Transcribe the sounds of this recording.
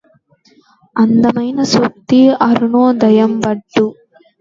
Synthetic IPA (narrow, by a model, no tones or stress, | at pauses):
ɐnd̪ɐmɐjnɐsuk̚t̪iɐɾunoːd̪ɐjɐmbɐʈːu